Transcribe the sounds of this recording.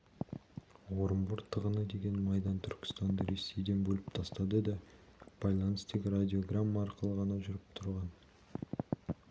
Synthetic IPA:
wo̞ɾəmbʊɾt̪ʰəʁənəd̪e̞ɡʲe̞nmɑjd̪ɑnt̪ʰʏɾkʲɪ̥st̪ɑnd̪əɾe̞sːe̞jd̪e̞nbɵlɪp̚t̪ʰɑst̪ɑd̪əd̪ɑb̥ɑjlˠɑnəst̪e̞ɡʲɪɾad̪ʲio̞ɡramːɑːɾqəlˠəʁɑnɑʒʏɾɪp̚t̪ʰʊɾʁɑn

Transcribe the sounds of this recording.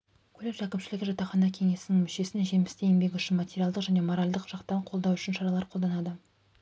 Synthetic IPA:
kʲʰɵleɾʒækʲɪmʃɪlɪɡʲɪʒɑt̪ːɑχɑnɑkʲʰe̞ŋe̞sɪnɪŋmʏʃe̞sɪnʒe̞mɪst̪e̞jɪmbe̞ɡʲɪʏʃɪnmatʲeɾʲijɑlˠd̪əqʒæne̞moɾalʲd̪əqʒ̥ɑqt̪ɑɾəɴqʰolˠd̪ɑwʏʃɪnʃɑɾɑlˠɑɾqʰo̞ld̪ɑnɑd̪ə

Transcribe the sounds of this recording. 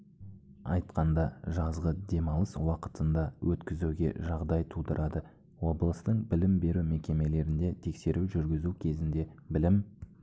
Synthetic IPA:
ɑ̰jt̪qɑnd̪ɑʒɑzʁəd̪e̞mɑwlˠəswɑqə̥t̪ənd̪ɑwʔɵt̪kʲɪzuɡʲe̞̰ʒɑʁd̪ɑjt̪ʰud̪əɾʔɑd̪ə | wo̞blˠəst̪əɴbɪlɪmbe̞ɾume̞kʲe̞me̞le̞ɾɪnd̪e̞t̪ʰe̞kse̞ɾuwʒʏɾɡʲɪzukʲʰe̞zɪnd̪e̞bɪlɪm

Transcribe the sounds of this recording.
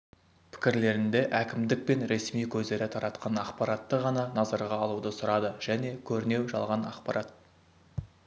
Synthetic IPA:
pʰɪ̥kʲɪɾle̞ɾɪnd̪e̞ʔækʲɪmd̪ɪk̚pe̞nɾe̞smijkʲʰɵzd̪e̞ɾɪt̪ʰɑɾʔɑt̪qɑnɑqpɑɾɑt̪ːəʁɑnɑnɑzɑɾʁɑːlˠud̪əsʊɾɑd̪əʒ̥æne̞kʲʰɵɾɪne̞wʒɑ̰lˠʁɑnɑ̰qpɑɾʔɑt̪̚

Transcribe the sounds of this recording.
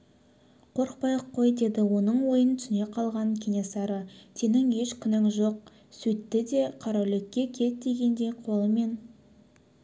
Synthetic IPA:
qʰo̞ɾq̚pɑjəqʰːo̞jd̪e̞d̪ɪwo̞nəɴwo̞jənt̪ʰʏsne̞qʰɑlˠʁɑŋkʲʰenʲesɑɾət̪ʰenɪŋe̞ʃkʲʰʏnɪŋʒo̞q̚ | sɵt̪ːɪd̪e̞qʰɑɾɑlɪkʲːe̞kʲʰe̞t̪̚d̪e̞ɡʲe̞nd̪e̞jqʰo̞lˠəme̞n

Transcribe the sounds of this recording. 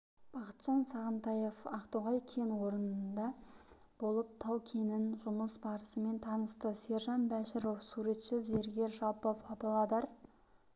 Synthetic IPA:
b̥ɑqə̥t̪ʒ̥ɑnsɑʁənt̪ɑje̞fɑqt̪oʁɑjkʲʰe̞nwo̞ɾənənd̪ɑ | b̥o̞lˠəp̚t̪ʰɑwkʲʰenɪnʒʊməsbɑɾəsəme̞nt̪ʰɑnəst̪əse̞ɾʒɑnbæʃɪɾofsuɾe̞t̪ʃɪze̞ɾɡʲe̞ɾʒɑlˠpəpʰɑpɑlˠɑd̪ɑɾ

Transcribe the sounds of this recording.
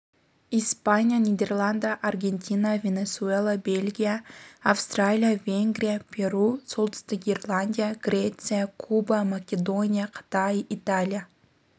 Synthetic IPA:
ispanʲijanʲid̪ʲe̞rlˠand̪aʔarɡʲe̞nʲt̪ʲinavʲe̞nʲe̞suelˠabe̞lʲɡʲijaːfst̪ralʲijavʲe̞ŋɡɾʲijapʲʰe̞ɾuso̞lˠt̪ə̥st̪əɡʲerlˠanʲdʲijaɡ̥ɾʲe̞t̪sɨjakʰubamakʲed̪o̞nʲijaqʰə̥t̪ajit̪alʲija

